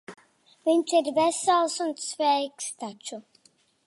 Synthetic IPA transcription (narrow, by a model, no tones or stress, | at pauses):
viɲt͡ʃiɾvʲɛsalˠsunsvɛjkst̪at͡ʃu